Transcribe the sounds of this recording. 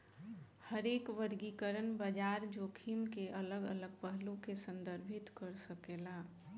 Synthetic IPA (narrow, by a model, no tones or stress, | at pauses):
həɾeːkʋəɾɡikəɾənbəd͡ʒaːɾd͡ʒoːkʰimkeʔələɡələɡ̚pəɦlũkesə̃nd̪əɾbʱɪt̪kəɾsəkelaː